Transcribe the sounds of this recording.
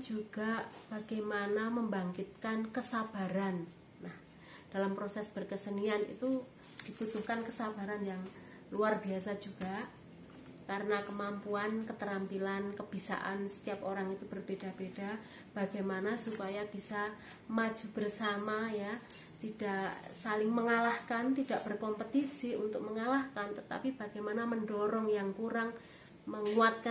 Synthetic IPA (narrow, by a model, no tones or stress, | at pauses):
d͡ʒuɡ̥ab̥aɡajmanaməmbaŋkit̪̚kankəsab̥a̤ɾanː | ah | d̥alampɾosɛsb̥ərkəsənianḭt̪u | d̥ibut̪uhkankəsaba̤ɾanjaŋ | luarbiasad͡ʒuɡ̥a | kaɾənakəmampuankət̪əɾamt̪ilankəb̥isa̰ʔa̰nsə̥t̪iap̚oɾaŋit̪ub̥ərb̥eda̤b̥ed̥a | b̥aɡ̥ajmanasupajab̥isa | mad͡ʒ̥ṳb̥ərsamaja | t̪id̥aʔʔsalɪŋməŋalahkant̪id̥aʔb̥ərkɔmpət̪isiṵnt̪ʊk̚məŋalahkant̪ət̪a̰pib̥aɡ̥ajmanaməndɔɾɔŋjaŋkuɾaŋ | məŋuat̪̚ka